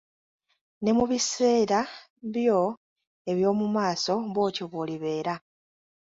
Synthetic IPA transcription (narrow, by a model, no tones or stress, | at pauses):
ne̞muβise̞ːɾa | βjo̞ | e̞βjo̞ːmumaːso̞βwo̞ːco̞βoːliβe̞ːɾa